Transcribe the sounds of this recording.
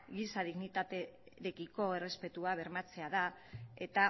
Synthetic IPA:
ɡisað̞iɣnit̪at̪e | ɾekiko̞ere̞spe̞t̪uaβ̞e̞ɾmat͡se̞að̞ae̞t̪a

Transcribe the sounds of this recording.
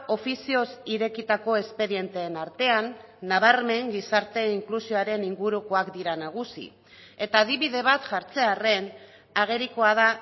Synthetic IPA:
o̞fisio̞siɾe̞kit̪ako̞e̞spe̞ðie̞nt̪e̞ːnaɾt̪e̞anː | aβ̞aɾme̞ŋɡisaɾt̪e̞iŋklusioaɾe̞niŋɡuɾuko̞akd̪iɾanaɣ̞usḭ | e̞t̪aːðiβiðe̞β̞at̪ʝaɾt͡se̞are̞n | aɣ̞e̞ɾikoað̞a

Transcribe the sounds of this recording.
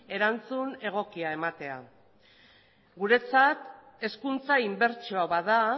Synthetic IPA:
e̞ɾant͡sune̞ɣ̞o̞kiae̞mat̪e̞a̰ | ɡuɾe̞t͡sat̪ | e̞skunt͡saimbe̞ɾt͡ʃoaβaða

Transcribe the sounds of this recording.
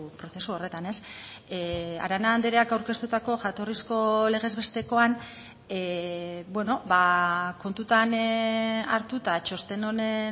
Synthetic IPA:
pɾo̞θe̞suo̞re̞t̪ane̞s | a̰ɾanand̪eɾe̞akawɾke̞st̪ut̪ako̞ʝat̪o̞risko̞le̞ɣ̞e̞zβe̞st̪e̞ko̞an | bwe̞no̞bako̞nt̪ut̪an | aɾt̪ut̪at͡ʃo̞st̪e̞no̞ne

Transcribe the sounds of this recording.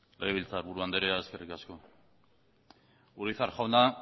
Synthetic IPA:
leɣeβilt͡saɾβuɾuand̪eɾeaeske̞rikasko̞ | uɾiθaɾʝawna

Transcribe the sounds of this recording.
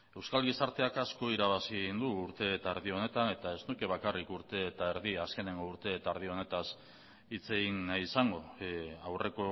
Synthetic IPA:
e̞wskalɣisaɾt̪e̞akasko̞iɾaβ̞asind̪uːɾt̪e̞ːt̪aeɾðio̞ne̞t̪ane̞t̪ae̞znuke̞β̞akarikuɾt̪e̞t̪aeɾðiaske̞ne̞ŋɡo̞uɾt̪e̞ːt̪aɾð̞io̞ne̞t̪as | it͡se̞ɣinːajsaŋɡo̞awre̞ko̞

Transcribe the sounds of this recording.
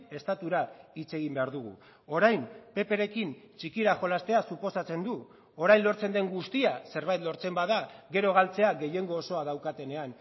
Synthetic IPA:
e̞st̪at̪uɾait͡se̞ɣ̞imbe̞aɾðuɣ̞ṵ | o̞ɾajmpe̞pe̞ɾe̞kint͡ʃikiɾaxo̞last̪e̞asupo̞sat͡se̞nd̪u | o̞ɾajnlo̞ɾt͡se̞nd̪e̞ŋɡust̪iase̞ɾβajt̪lo̞ɾt͡se̞mbaðaɣe̞ɾo̞ɣalt͡se̞aɣe̞je̞ŋɡo̞ːso̞að̞awkat̪e̞ne̞an

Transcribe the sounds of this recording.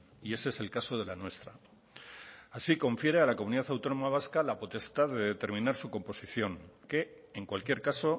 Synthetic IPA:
ie̞seese̞lkaso̞ð̞e̞lanwe̞st̪ɾa | asiko̞ɱfje̞ɾe̞alakomuniðaθawt̪o̞no̞maβ̞askalapo̞t̪e̞st̪aðe̞ðe̞t̪eɾmĩnaɾsuko̞mpo̞siθjo̞ŋke̞ | eŋkwalkje̞ɾkaso̞

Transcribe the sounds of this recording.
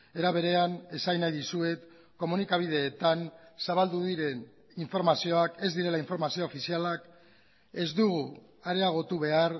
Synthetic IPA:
e̞ɾaβ̞e̞ɾe̞ane̞sajnajðusue̞t̪ | ko̞munikaβ̞ið̞e̞ːt̪ansaβald̪uðiɾe̞n | iɱfo̞ɾmasio̞ake̞zd̪iɾe̞laiɱfo̞ɾmasioːfisialak | e̞zd̪uɣ̞u | aɾe̞aɣ̞o̞t̪uβe̞aɾ

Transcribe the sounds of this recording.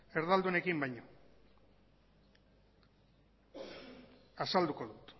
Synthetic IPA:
e̞ɾðald̪une̞kimbajɲo̞ | asald̪uko̞ðut̪

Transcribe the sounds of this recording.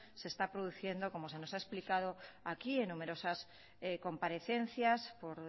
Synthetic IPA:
se̞ːst̪apɾoðuθje̞nd̪oko̞mose̞nosaesplikað̞oakienːume̞ɾo̞sas | eko̞mpaɾe̞θen̟θjaspoɾ

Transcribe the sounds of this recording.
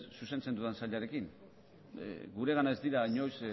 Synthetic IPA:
suse̞nt͡se̞nd̪uansaʎaɾe̞kiŋ̰ | ɡuɾe̞ɣ̞anae̞zd̪iɾaɲo̞js

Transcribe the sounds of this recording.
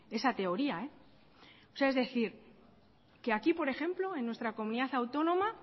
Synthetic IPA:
e̞sat̪e̞o̞ɾiae̞ | oseaezðe̞θiɾ | keakipo̞ɾe̞xe̞mplo̞e̞nːwest̪ɾako̞muniðaθawt̪o̞nõ̞ma

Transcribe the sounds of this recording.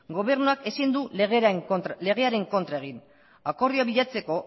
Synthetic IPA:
ɡo̞β̞e̞ɾnuake̞sind̪uɣle̞ɣ̞e̞aɾe̞ŋko̞nt̪ɾae̞ɣ̞in | ako̞riaβiʎat͡se̞ko̞

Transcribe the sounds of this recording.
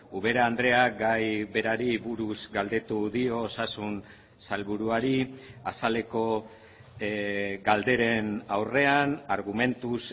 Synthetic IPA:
uβe̞ɾaːnd̪ɾe̞ak̚ɡajβe̞ɾaɾiβuɾuzɡald̪e̞t̪uðio̞ːsasun | salβuɾuaɾiasale̞ko̞ | ɡald̪e̞ɾe̞nawre̞anaɾɣume̞nt̪us

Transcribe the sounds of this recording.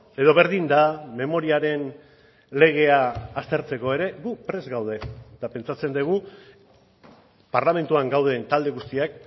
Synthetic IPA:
e̞ðo̞βe̞ɾðind̪ame̞mo̞ɾiaɾe̞n | le̞ɣ̞e̞aːst̪e̞ɾt͡se̞ko̞e̞ɾe̞ɣupɾe̞zɣawð̞e̞t̪ape̞nt͡sat͡se̞nd̪eɣ̞u | paɾlame̞nt̪uaŋɡawð̞ent̪ald̪e̞ɣust̪iak̚

